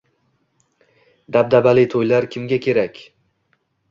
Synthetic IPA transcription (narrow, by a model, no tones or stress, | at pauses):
d̪ab̚d̪abalɪt̪ʰojlaɾkʲʰɪmɡʲakʲʰe̞ɾakʲ